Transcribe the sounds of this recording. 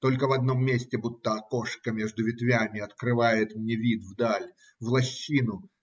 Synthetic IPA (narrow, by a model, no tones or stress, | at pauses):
t̪o̞lʲkəvɐd̪no̞mːʲesʲtʲɪbut̪ːəɐko̞ʂkəmʲeʐd̪ʊvʲɪt̪vʲamʲɪɐt̪kɾɨvajɪt̪mnʲevʲit̪vd̪alʲ | vlˠɐɕːinʊ